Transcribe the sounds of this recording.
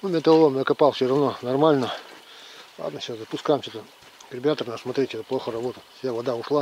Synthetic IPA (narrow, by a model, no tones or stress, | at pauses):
numʲet̪əlˠomʲjakɐpalˠfsʲorɐvnonɐrmalʲnə | lˠa̰d̪nəɕaszəpʊskajɪmsʲot̪ə | ɡrʲɪbʲat̪ərnasmɐt̪ɾʲetʲɛt̪əplˠoxərɐbo̞t̪ət̪fʲjavɐd̪aʊʂlˠa